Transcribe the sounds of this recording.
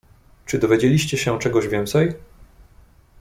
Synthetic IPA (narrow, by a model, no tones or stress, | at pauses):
t͡ʂɘd̪ɔvʲjed͡ʑelʲiɕt͡ɕɛɕɛt͡ʂɛɡɔʑvʲjɛnt̪sɛj